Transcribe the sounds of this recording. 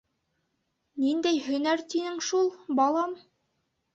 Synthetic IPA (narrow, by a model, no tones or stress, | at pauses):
nind̪æjhɵ̆næɾt̪inɘŋʃulˠbɑlˠɑm